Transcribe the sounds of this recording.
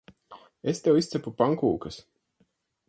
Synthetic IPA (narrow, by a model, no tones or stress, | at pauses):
est̪ewist̪sɛpupaŋkṵːkɐs